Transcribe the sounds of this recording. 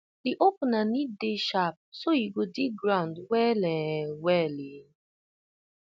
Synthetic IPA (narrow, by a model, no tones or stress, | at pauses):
diʔopnanideʃap̚soiɡodiɡɾãʊ̃ndwɛlɛ̃wɛli